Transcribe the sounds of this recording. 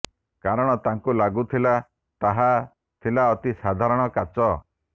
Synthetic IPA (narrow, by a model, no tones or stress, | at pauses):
kaɾɔɽ̃ɔt̪aŋkulaɡut̪ʰila | t̪aɦa | t̪ʰilaɔt̪isad̪ʱaɾɔɽ̃ɔkat͡ʃɔ